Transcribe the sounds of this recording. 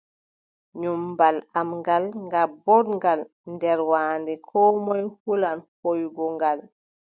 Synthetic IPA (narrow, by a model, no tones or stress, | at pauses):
ɲumbalamŋɡalŋɡabɔdŋɡal | ndɛɾwaːndɛkʰɔmɔjhulanhojɡɔŋɡal